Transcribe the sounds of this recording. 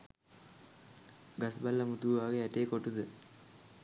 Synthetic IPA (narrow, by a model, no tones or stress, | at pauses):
ɡasbalːəmut̪uʋaːɡeæʈeːkoʈud̪ə